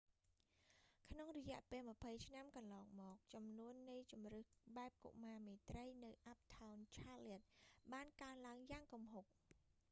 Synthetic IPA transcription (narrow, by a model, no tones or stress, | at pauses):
kʰnoŋrɔjɛ̆əʔpeːlmə̆pʰəjt͡ɕʰnamkɑnlɑːŋmɔːk̚t͡ɕɑmnuənːɨjt͡ɕumrɨhɓaɛp̚kṵʔmaːmeːt̪rəjnɨwʔap̚t̪ʰawnt͡ɕʰaːliət̪̚ɓaːnkaənlaəŋjaːŋkumɦok̚